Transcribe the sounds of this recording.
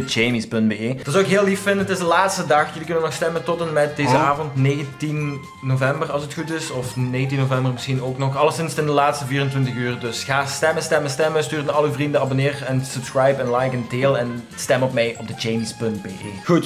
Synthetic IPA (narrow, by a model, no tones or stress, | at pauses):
əd͡ʒemispɵndbeeːd̥ɑtswoʊɪkɦeːlˠlifːɪndənətɪzdəlaːtstədɑxjɵlikɵnənɔxstɛməntɔtənmɛt̚deːzəaːvɔntneːɣəntinː | ovɛmbərɑlˠsətxutɪsɔfneːɣənt̬inːovɛmbərmɪsxinoːknɔxɑlˠəsɪnsɪndəlaːtstəviːrəntʋɪntəxyːrdɵsɣaːstɛmənstɛməstɛməstyːrəɑləyvrindəɑbonɪːrɛnsɵpskɹajpɛnlajkɛnteːlˠɛn | stɛmɔpmɛjɔb̚dəd͡ʒejmispɵntbḛːʔeːxut